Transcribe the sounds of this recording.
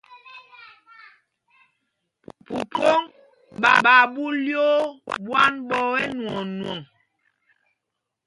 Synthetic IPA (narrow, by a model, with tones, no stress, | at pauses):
pu˨ko˦ŋ | ɓa̰˨ɓa˨bu˦ljo˦ɓwa˦nbɔ˦wɛ˦nwɔ˨nuwɔ˨ŋ